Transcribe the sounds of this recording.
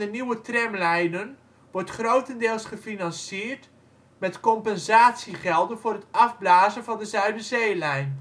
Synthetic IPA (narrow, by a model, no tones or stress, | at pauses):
əniwətrɛmlɛjnən | ʋɔrtχrowtəndɪːlˠsχəfinɑnsiːrt | mɛtkɔmpɛnzaːtsiχɛlˠdənvʊːrətɑvblaːzənvɑndəzœɥdəzeːlɛjn